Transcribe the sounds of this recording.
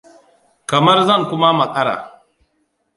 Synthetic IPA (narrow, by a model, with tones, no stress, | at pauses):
kɐ˨mɐ˦rzɐ˦ŋkʷʊ˦ma˦mɐ˨kʼɐ˦ɽa̰ː˨